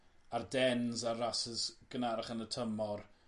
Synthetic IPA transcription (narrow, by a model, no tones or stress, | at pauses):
ardɛnzarasɪzɡ̥ənaɾaχənətʰəmɔr